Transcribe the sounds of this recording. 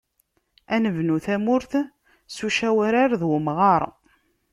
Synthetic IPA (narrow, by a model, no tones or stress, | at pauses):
ænəvnuθæmʊɾθ | suʃæwæɾaɾðwəmʁɑɾˤ